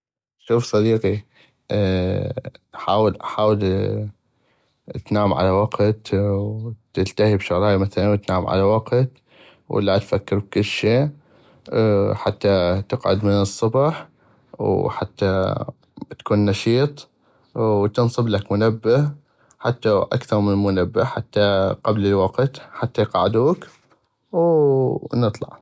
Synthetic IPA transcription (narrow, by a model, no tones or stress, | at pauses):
ʃuːfsˤɑd̪iːqi | ħaːwɪlʔaħaːwɪl | t̪naːmʕa̰lawaɡt̪wt̪ɪlt̪ahibʃʊɣɾɑːjamaθalant̪naːmʕa̰lawaqt̪ | wʔɪ̰lːat̪fakːɪɾb̚kʊlːʃeː | ħat̪ːat̪ɪqʕʊ̰d̪mɪnɨsˤːʊbɑħ | wħat̪ːa | t̪ḁkuːnːɑʃiːt̪ˤː | t̪ɨnsˤɨblakmʊnabːɪh | ħat̪ːaʔa̰kθɑɾˤmɪnmʊnabːɪħat̪ːaqablɪlwɑqt̪ħat̪ːajqɑʕɪd̪uːk | w | nɨt̪ˤlɑ̰ʕ